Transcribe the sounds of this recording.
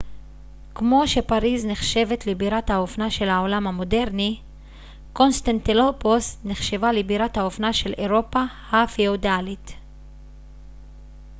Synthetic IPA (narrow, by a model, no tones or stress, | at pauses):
kmo̞ʃe̞paʁizneχʃe̞ve̞t̪libiʁathaofnaʃe̞lhao̞lamhamo̞de̞ʁni | ko̞nst̪antiloposneχʃe̞valebiʁathaofnaʃe̞leʁo̞pa | hafiodalit